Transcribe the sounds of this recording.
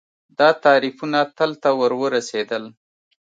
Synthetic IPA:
d̪ɑt̪ɑɾifunat̪əlt̪awəɾwəɾased̪əl

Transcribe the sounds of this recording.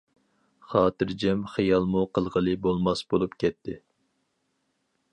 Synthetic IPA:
χɑːt̪ɨɾd͡ʒɛmχijɑlˠmuqʰəlˠʁəlˠɨbolˠmɑsbolˠupkʲɛt̪ʰːɪ

